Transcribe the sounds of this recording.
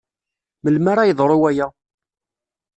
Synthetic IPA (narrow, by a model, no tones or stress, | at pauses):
məlmaɾajəðˤɾˤowæjæ